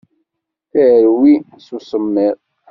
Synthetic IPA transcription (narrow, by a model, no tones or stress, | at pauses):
θæɾwi | susəmːiɾˤ